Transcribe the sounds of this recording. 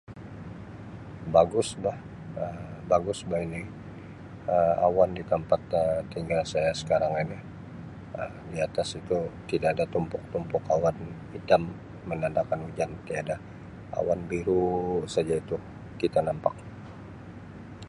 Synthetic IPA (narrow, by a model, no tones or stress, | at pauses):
baɡʊsbah | əbaɡʊsbaini | əa̰wandit̪əmpat̪ət̪iŋɡalsajasə̥kaɾaŋani | əmdiat̪asit̪ut̪idaːdat̪umpʊk̚t̪umpʊkawanhidamː | ənandakanud͡ʒant̪iada | a̰wanbiɾusad͡ʒait̪u | kit̪anampak̚